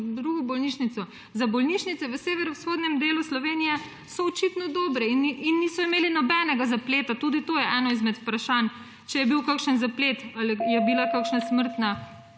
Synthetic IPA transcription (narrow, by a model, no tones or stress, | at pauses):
d̪ɾuɡɔbɔlniʃnit̪sɔ | zabɔlniʃnit̪sɛʋəseːʋɛɾɔsxoːd̪nʲɛmd̪eːluslɔʋeːnijɛ | sɔːt͡ʃit̪nɔd̪ɔːbɾɛininːisɔimeːlinɔbɛnɛɡazapleːt̪at̪ud̪it̪oːjɛʔɛːnɔizmɛt̪pɾaʃan | t͡ʃɛjɛbiwkakʃənzaplet̪alijɛbilakakʃnasməɾt̪na